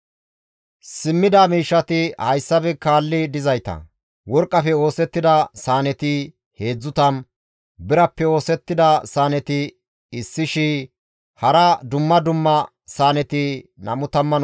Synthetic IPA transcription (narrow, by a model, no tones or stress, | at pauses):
sɪmːɪd̪ɐmiːʃːɐt̪ɪhɐjsːɐbɛkaːlːɪd̪ɪzɐjt̪ɐ̰ | wɔɾkʼːɐfɛo̞ːsɛt̪ːɪd̪ɐsaːnɛt̪ɪ | he̞ːd͡zːʊt̪ɐn | bɪɾɐpːɛo̞ːsɛt̪ːɪd̪ɐsaːnɛt̪ɪ | ɪsːɪʃɪ | hɐɾɐd̪ʊmːɐd̪ʊmːɐ | saːnɛt̪ɪnɐmʊt̪ɐmːɐn